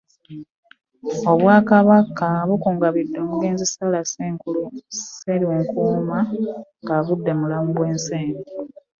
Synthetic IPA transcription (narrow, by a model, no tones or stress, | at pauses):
o̞βwaːkaβakʰaβukuːŋɡaβidːo̞ːmuɡe̞ːnzisalaseːŋkuluseɾioŋkumaŋɡaβudːe̞mulamuɡwe̞ːnseːŋɡi